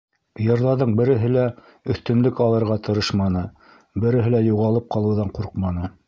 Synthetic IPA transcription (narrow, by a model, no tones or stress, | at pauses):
jɤ̆ɾðɑɾðɤɴbɘ̆ɾɘ̆ɦɘlæ | ɵ̆θt̪ɵ̆nlɵkɑlˠɤ̆ɾʁɑt̪ʰɤ̆ɾɤʃmɑnɤ | bɘ̆ɾɘ̆ɦɘlæjuʁɑlˠɤp̚qɑlˠɤ̆wðɑɴquɾqmɑnɤ